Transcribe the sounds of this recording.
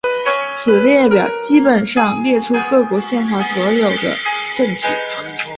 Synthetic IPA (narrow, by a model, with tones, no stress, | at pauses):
t͡ɕʰɛ˨˩ljɛ˥˩pjɑ˨˩ʊt͡ɕi˥pə˨˩nʂɑ˥˧ŋljɛ˥˩ʈ͡ʂʰu˥kɤ˥˩kwɔ˧˥ɕjɛ˥˧nxwa˥˩swɔ˧˥jo˨˩ʊd̪ə̰˦ʈ͡ʂɤ˥˩ŋt̪ʰḭ˨˩˦